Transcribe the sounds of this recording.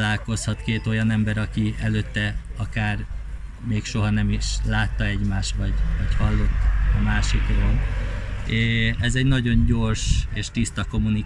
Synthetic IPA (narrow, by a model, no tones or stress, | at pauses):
laːlko̞shɒt̪keːt̪o̞jɒnɛmbɛɾɒkiɛløːt̪ːɛɒkaːr | meːkʃo̞ɦɒnɛmiʃlaːt̪ːɒɛɟmaːʃt̪ʋɒɟvɒɟhɒlːo̞t̪ːɒmaːʃikronː | ɛzɛɟnɒɟo̞ɲɟo̞rʃeːʃt̪ist̪ɒko̞mːuni